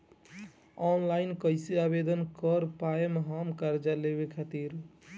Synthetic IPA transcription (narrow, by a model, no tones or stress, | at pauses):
ɔnlainkəɪsiabed̪ənkəɾpaemeɦamkaɾd͡ʒaleβekʰat̪iɾ